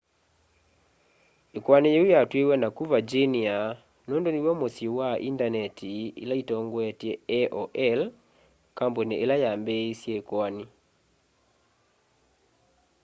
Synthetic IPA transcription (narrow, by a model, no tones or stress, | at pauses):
ekwanijeujatwewɛnakuvad͡ʒenia | nondoniwɛmosiowaʔḭndanɛtʰiḭlaitɔŋɡwɛtɛɛʔɔʔɛl | kamboneʔelajambesjeekwani